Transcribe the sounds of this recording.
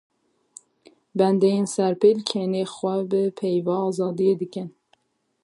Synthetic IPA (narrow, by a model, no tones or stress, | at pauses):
bɛnd̪ejensæɾpelkʰeːnexwʷɛbɨpʰejvɑːzɑːd̪ijeːd̪ɨkɨn